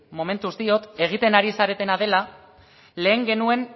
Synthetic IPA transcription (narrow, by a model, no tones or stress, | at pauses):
mo̞me̞nt̪ust̪io̞t̪e̞ɣ̞it̪e̞naɾisaɾe̞t̪e̞naðe̞la | le̞ːŋɡe̞nue̞n